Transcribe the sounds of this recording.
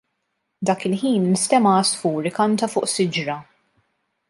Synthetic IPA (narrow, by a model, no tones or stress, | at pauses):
d̪ɐːkɪlħiːnːɪst̪ɛmɐːsfuːɾɪkɐnt̪ɐfʊːʔsɪd͡ʒɾɐ